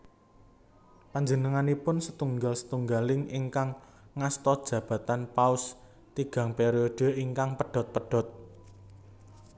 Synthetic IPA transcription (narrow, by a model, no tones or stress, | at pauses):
paɲd͡ʒənəŋanipʊnsət̪uŋɡalsə̥t̪uŋɡalɪŋiŋkaŋː | ast̪ɔd̥ʒ̥ä̤b̥ä̤t̪anpaʊs | t̪iɡ̥ä̤ŋpeɾioɖ̥ə̤iŋkaŋpəɖ̥ɔ̤t̪̚pəɖ̥ɔ̤t̪̚